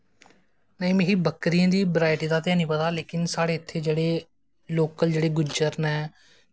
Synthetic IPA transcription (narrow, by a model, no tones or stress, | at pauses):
nəĩːmẽːɦiːbəkɾijãːd̪iːbɾaːɪʈiːd̪aːt̪ɪɛ̃ːnĩːpət̪aːleːkɪnsaːɽeːɪt̪ʰːeːd͡ʒeːɽeː | loːkəld͡ʒeːɽeːɡʊd͡ʒəɾnɛː